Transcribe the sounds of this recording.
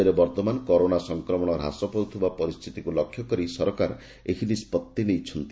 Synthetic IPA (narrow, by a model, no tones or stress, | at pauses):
ɾebɔɾt̪ɔmanɔkɔɾonasɔŋkɾɔmɔɽ̃ɔɾɦa̰sɔpɔut̪ʰubapɔɾist̪ʰit̪ikulɔkʰːjɔkɔɾisɔɾɔkaɾ | ekʰinispɔt̪ːinejt͡ʃʰɔnt̪i